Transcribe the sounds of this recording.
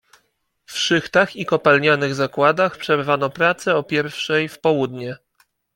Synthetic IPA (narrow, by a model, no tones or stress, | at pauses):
fʂɘxt̪axikɔpalɲanɘɣzakwad̪axpʂɛɾvanɔpɾat̪sɛɔpʲjɛɾfʂɛjfpɔwud̪ɲɛ